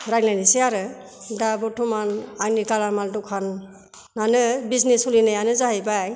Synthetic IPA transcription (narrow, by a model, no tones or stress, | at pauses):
ɾajlajniseaɾɯ | dabɔtʰumananikalaɾmandɔkʰanː | anɯbiznesulinajanɯzaɦajbaj